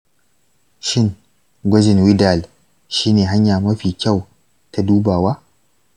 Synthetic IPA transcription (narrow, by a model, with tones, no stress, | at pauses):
ʃɪ˦ŋ | ɡʷɐ˦d͡ʒɪ˨nwɪ˦da˨l | ʃiː˦neː˨ɦa˦ɲjaː˨mɐ˦ɸiː˨kʲa˦˨w | tʰa˨˦duː˦baː˨waː˦